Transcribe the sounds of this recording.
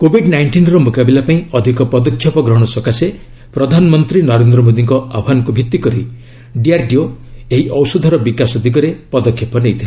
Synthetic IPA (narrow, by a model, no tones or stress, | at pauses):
kobʱiɖnajɳʈinɾɔmokabilapaĩɔd̪ʱikɔpɔd̪ɔkʰːjɔpɔɡɾɔɦɔɽ̃ɔsɔkase | pɾɔd̪ʱanɔmɔnt̪ɾinɔɾend̪ɾɔmod̪iŋkɔabʱɦanɔkubʱit̪ːikɔɾi | ɖiaɾɖioeɦiʔɔwsɔd̪ʱɔɾɔbikasɔd̪ʱiɡɔɾepɔd̪ɔkʰːjɔpɔnejt̪ʰila